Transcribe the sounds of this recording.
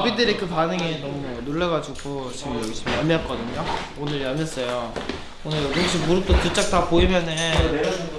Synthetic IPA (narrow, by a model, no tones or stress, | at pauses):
bidɯɾekɯpanɯŋinʌmunoɭːʌɡad͡ʑuɡot͡ɕimjʌɡiɕ͈ʰimjamjak͈ʌdɯɲo | onɯɭjamjʌs͈ʌjo | onɯɭɾɡɯŋɕʰimuɾɯt͈otɯt͡ɕ͈ak̚t͈apoimjʌne